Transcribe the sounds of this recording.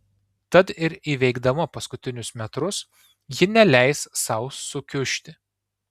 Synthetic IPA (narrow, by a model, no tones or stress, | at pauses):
t̪ɐt̪ɪɾiːʋʲɛɪɡd̪ɐmɐpɐskʊt̪ʲɪnʲʊsmʲɛt̪ɾʊs | jɪnʲɛlʲɛɪssɐʊsːʊkʲʊʃʲt̪ʲɪ